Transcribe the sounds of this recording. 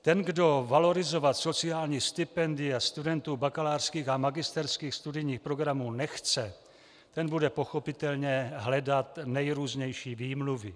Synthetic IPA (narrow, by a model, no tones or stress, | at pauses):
t̪ɛnɡdo̞valo̞ɾɪzo̞vat̪so̞t͡sɪaːlɲiːst̪ɪpɛndɪast̪udɛnt̪uːbakalaːrskiːxamaɡɪst̪ɛɾskiːxst̪udɪjɲiːxpɾo̞ɡɾamuːnɛxt͡sɛ | t̪ɛnbudɛpo̞xo̞pɪt̪ɛlɲɛɦlɛdat̪nɛjɾuːzɲɛjʃiːviːmluvɪ